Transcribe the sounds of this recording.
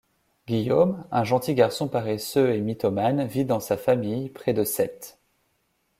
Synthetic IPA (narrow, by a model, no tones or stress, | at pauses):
ɡʲijomɛ̃ʒɑ̃t̪iɡaʁsɔ̃paʁɛsøemit̪ɔmanvid̪ɑ̃safamijpχɛd̪əsɛt̪